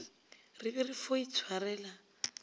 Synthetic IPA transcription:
ribɛrifoit͡sʰwarɛːla

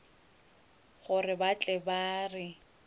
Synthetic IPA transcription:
ɣʊrɪbat͡ɬʼɛbaːrɪ

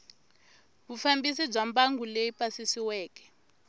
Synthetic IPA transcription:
βufambis̬ib͡ʐambaŋɡuleipasisiwɛːkɛ̥

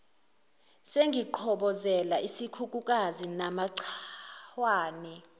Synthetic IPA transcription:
seŋɡʱiǃʰɔɓɔzɛlaʔisikʰuk̬ʼukʼazinamaǀʰ | waːnɛ

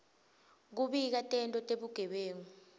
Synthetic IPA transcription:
k̬uɓik̬atʼɛntʼɔtʼeɓuɡ̥ʱɛɓeːŋu

